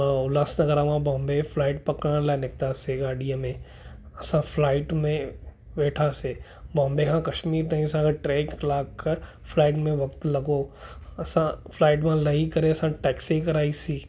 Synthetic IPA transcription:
ʊlaːsnɐɡəɾamãbɔ̃ːmbepʰlaːɪʈpɐkɽ̃ə̃laɪnɪk̚t̪aseɡaːɖijãmẽ | ɐsãpʰlaːɪʈmẽ | ʋeːʈʰase | bɔ̃ːmbekʰãkɐʃmiːɾt̪aːĩɐs̬ãkʰeʈɾɛːklaːk | pʰlaːɪʈmẽʋɐkt̪lɐɡoɐsãpʰlaːɪʈ̬mãlɐikɐɾeɐsãʈɛːksikɐɾaːisiː

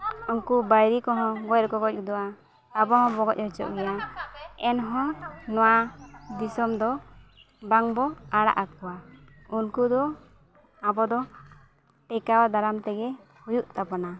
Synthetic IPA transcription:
unkubajɾikɔɦɔ̃ɡɔjɾkɔɡɔc̚ˀɡd̪ɔwaː | bɔɦɔ̃bɔɡɔc̚hɔt͡ʃɔ̰ʔɡɛjaɛnɦɔ̃nɔwad̪isɔmd̪ɔ | baŋbɔaɽa̰ʔakɔa | unkud̪ɔ | abɔd̪ɔ | ʈɛkawad̪aɾamt̪ɛɡɛ | hujuʔt̪apɔna

